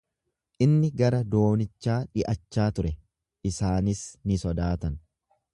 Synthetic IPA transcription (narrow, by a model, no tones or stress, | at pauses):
ʔɪnːɪɡɐɾɐd̪o̞ːnɪt͡ʃːaːᶑɪʔɐt͡ʃːaːt̪ʊɾɛ | ʔɪsaːnɪsnɪsɔd̪aːt̪ɐn